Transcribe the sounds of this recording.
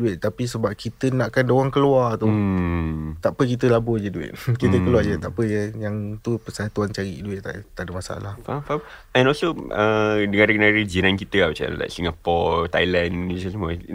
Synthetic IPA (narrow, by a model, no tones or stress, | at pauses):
duɪʔ̪̚t̪apisəbap̚kit̪ənaʔkandoɣaŋkəluart̪u | t̪aʔpək̬it̪əlabod͡ʒəduɪ̰t̪̚kit̪əkəluad͡ʒət̪aʔpəjəjaŋt̪upəsaat̪uant͡ʃaɾḭʔduɪt̪̚a̰ʔt̪adəmasa̰a̰lahfafam | ɛ̃nɔlsoədəŋadəɡənadəd͡ʒinãnkit̪əabət͡ʃa̰la̰jksiŋapɔt̪ajlanisəsəmuə